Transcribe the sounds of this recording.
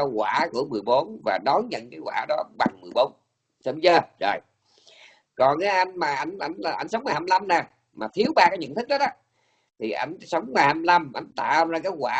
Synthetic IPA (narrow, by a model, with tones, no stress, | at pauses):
ɣwaː˧˩ku˧˩əmɨ˨˩əjɓo˨˦nvaː˨˩ɗɔ˨˦jɲə̰˧˨nkaː˨˦jɣwa̰ː˧˩˦ɗɔ˨˦ɓa˨˩ŋmɨ˨˩əjɓo˨˦n | sə˧˦wzəː˧˩zo˨˩j | kɔ˨˩nʔaː˨˦ʔa˧jŋ̟maː˨˩ʔa˧jŋ̟ʔa˧˩jŋ̟a˨ʔa˧jŋ̟sə˨˦wŋ͡mmaː˨˩haː˧mla˧mnaː˨˩ | maː˨˩t̪ʰi˨˦əwɓaː˧kaː˨˦jɲə̰˧˨nt̪ʰɨ˦˥k̚ɗɔ˨˦ɔ˨˦ | t̪ʰi˨˩ʔa˧˩jŋ̟sə˨˦wŋ͡mmaː˨˧˩jhaː˧mla˧mʔa˧˩jŋ̟t̪a̰ː˧˨˧zaː˧kaː˨˦jwaː˧˩˦